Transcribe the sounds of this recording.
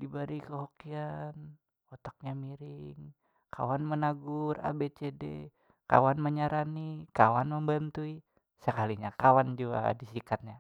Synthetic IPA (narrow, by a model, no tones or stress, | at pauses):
dibaɾikəɦokian | ot̪ak̚ɲamiɾiŋ | ka̰wanmənaɡʊra̰bet͡ʃedḛ | ka̰wanməɲaɾanikawanməmbənt̪ui | səkaliɲakawand͡ʒua̰disikat̪̚ɲa